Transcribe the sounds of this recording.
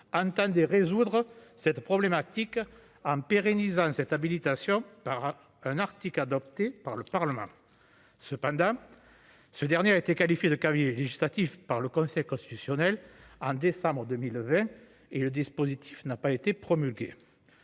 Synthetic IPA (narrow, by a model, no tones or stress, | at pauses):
ɑ̃nt̪ɑ̃nd̪eʁezud̪ʁəsɛt̪əpχɔblemat̪ik | ɑ̃peʁenizɑ̃sɛt̪abilit̪asjɔ̃paʁ | ɛ̃naʁt̪iklad̪ɔpt̪epaʁləpaʁləmɑ̰̃ | səpɑ̃d̪ɑ̃ | səd̪ɛʁnjeaet̪ekalifjed̪əkavileʒislat̪ifpaʁləkɔ̃sɛjkɔ̃st̪i̥t̪ysjɔnɛlɑ̃d̪esɑ̃bʁəd̪əmilvɛ̃ | eləd̪ispozit̪ʰi̥fnapaet̪epχɔmylɡʲḛ